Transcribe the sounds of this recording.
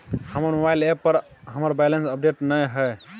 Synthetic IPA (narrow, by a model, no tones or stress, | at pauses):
həməɾmobajlepəɾɦəməɾbɛlensəp̚ɖeʈnəjɦəj